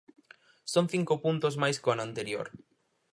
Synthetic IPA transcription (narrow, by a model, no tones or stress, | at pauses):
soŋθiŋkʊpunt̪ozmajskoanant̪eɾjo̰ɾ